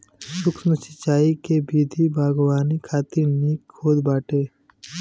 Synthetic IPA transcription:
sʊksnəsɪt͡ʃaːikebiːd̪ʱibʱaːɡwaːnikʰaːt̪ɪɾniːkʰːoːd̪baːʈeː

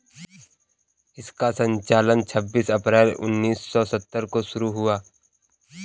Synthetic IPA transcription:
ɪskasə̃ɲt͡ʃaːlənt͡ʃʰəbːiːsɐpɾɛːlʊ̰nːiːsːɔsət̪ːəɾkoʃʊɾuɦʊaː

